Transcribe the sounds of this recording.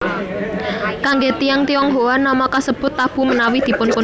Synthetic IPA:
kaŋɡet̪ijaŋt̪iɔŋɦowanːamakasəb̥ʊ̤t̪ːab̥ṳmənawid̪̥i̤pʊnpʊ

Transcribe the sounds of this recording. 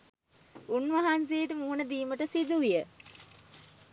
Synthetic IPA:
unʋɐɦansejəʈəmuːnəd̪iːməʈəsid̪uʋijə

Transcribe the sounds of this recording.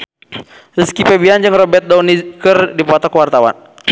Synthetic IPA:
riskipɛbiand͡ʒɨŋrɔbɛt̪̚dɔnikərdipɔt̪ɔkwart̪awa̰n

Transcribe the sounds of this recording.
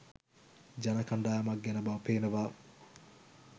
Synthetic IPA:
d͡ʒɐnɐkɐɳɖaːjɐmɐk̚ɡɛnɐbɐpeːnəʋaː

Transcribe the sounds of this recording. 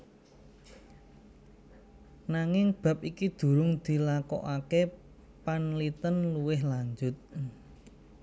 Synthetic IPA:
naŋɪŋb̥ä̤p̚ikid̪̥ṳɾʊŋd̪̥i̤lakɔ̰ʔake | panlit̪ənluwɪhlaɲd͡ʒʊt̪̚

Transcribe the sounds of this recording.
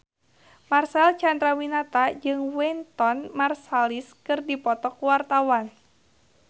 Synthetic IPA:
marsɛlt͡ʃandɾawinat̪ad͡ʒɨŋwɛnt̪ɔnmarsaliskɨrdipɔt̪ɔkuwart̪awan

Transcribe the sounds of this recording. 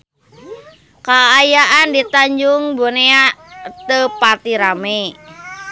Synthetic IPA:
kaːjaʔandit̪aɲd͡ʒuŋboneat̪əpat̪iɾame

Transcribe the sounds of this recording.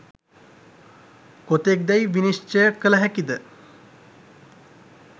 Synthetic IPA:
kot̪ek̚d̪ɛjʋinist͡ʃəkələɦækid̪ə

